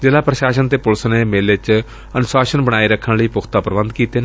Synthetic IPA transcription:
d͡ʒelaːpɾəʃaːʃənt̪eːpʊlsneːmeːleːt͡ʃ | ənʊsaːʃənbəɽ̃aːiːɾəkʰːənləiːpʊkʰt̪aːpəɾəbənd̪kiːt̪eːne

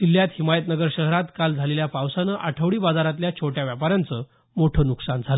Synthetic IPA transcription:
d̪ilːjat̪himajət̪nəɡəɾɕəɦɾat̪kald͡zʱaleljapawsanəʔaʈʰəʋɭiːbad͡zaɾat̪̬ljat͡ɕʰoʈjaʋjapaɾãnt͡səː | moʈʰəːnuksand͡zʱalə

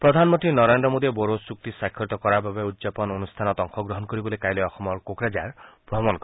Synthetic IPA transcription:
pɾɔd̪ʱanmɔnt̪inɔɾend̪ɾɔmod̪ieboɾosuk̚t̪isakʰjɔt̪ɔkɔɾababeud̪d͡ʒapɔnonust̪ʰanɔt̪ɔŋxɔɡɾɔɦɔnkɔɾibɔlekajleɔxɔmɔɾkokɾad͡ʒaɾb̥ɾɔmɔnk

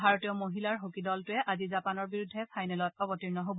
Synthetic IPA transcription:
bʱaɹotijɔmoɦilaɹɦokidɔltʊɛʔazizapanɔɹbiɹudʱːɛpʰajnɛlɔt̚ɔbɔtiɹnɔɦobɔ

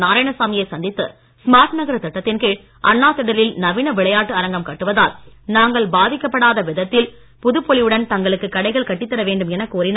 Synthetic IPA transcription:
naːɾaːjnɐsaːmɪjɐɪsɐnd̪ɪt̪ːɯ̰ | smaːɾʈnɐɣɐɾɐt̪ɐʈːɐt̪ːɪnkeːɻ | ʔɐnːaːt̪ːɐɽɐlɪlnɐʋɪnɐʋɪɭɐjaːʈːɯɐɾɐŋɡɐmkɐʈːɯʋɐðaːl | naːŋɡɐɭbaːðɪkːɐpːɐɽaːðɐʋɪðɐt̪ːɪl | pʊðɯpːɔɭɪjɯɽɐnt̪ɐŋɡɐɭɯkːɯkːɐɽɐɪɣɐɭkɐʈːɪt̪ːɐɾɐʋeːɳɖɯmɛnɐkːuːɾɪnaː

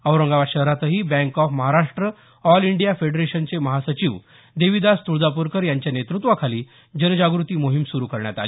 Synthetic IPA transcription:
əwɾəŋɡaʋaɕəɦɾat̪əɦiːbɛ̃ŋkɔfməɦaɾaʂʈɾə | ɔliɳɖijafeɖɾeɕənt͡seməɦasət͡ɕiʋ | d̪eʋid̪ast̪uɭd̪apuɾkəɾjaɲt͡ɕjanet̪ɾut̪ʋakʰaliː | d͡ʑənd͡ʑaɡɾut̪iːmoɦimsuɾuːkəɾɳja̰t̪a̰li

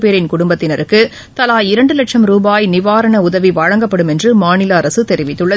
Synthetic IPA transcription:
peːɾɪnkʊɽʊmbɐt̪ːɪnɐɾɯkːɯ | t̪ɐlaːjɪɾɐɳɖɯlɐʈʂɐmɾuːbaːjnɪʋaːɾɐɳɐʊðɐʋiʋɐɻɐŋɡɐpːɐɽɯmɛndrɯmaːnɪlaːɾɐsɯt̪ɛɾɪʋɪt̪ːɯɭːɐ

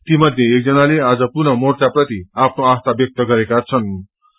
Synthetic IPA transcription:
t̪imʌd̪ʱjeːk̚d͡zʌnalead͡zʌpunʌmort͡saprʌt̪iapʰnoast̪ʰabjʌk̚t̪ʌɡʌɾekat͡sʰʌn

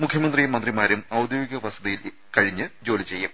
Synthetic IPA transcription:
mukʰjɐmɐnd̪rijemɐndrimaːɾumɐwd̪joːɡiɣɐʋɐst̪ʰɐðɐjil | kɐɻiɲːɨd͡ʑo̞ːlit͡ɕe̞jːɐm

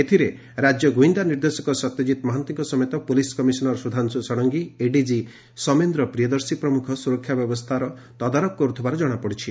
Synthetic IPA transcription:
et̪ʰiɾe | ɾad͡ʒjɔɡuind̪aniɾd̪esɔkɔsɔt̪jed͡ʒit̪ɔmɔɦant̪iŋkɔsɔmjet̪ɔpoliskɔmisɔnɔɾsud̪ʱansɔsɔɽ̃ɔŋɡieɖid͡ʒi | sɔmend̪ɾɔpɾijɔd̪ɔɾsipɾɔmukʰɔsuɾɔkʰːjabjɔbɔst̪ʰaɾɔ | t̪ɔd̪aɾɔk̚kɔɾut̪ʰɔbaɾɔd͡ʒɔɽ̃apɔɽit͡ʃʰi

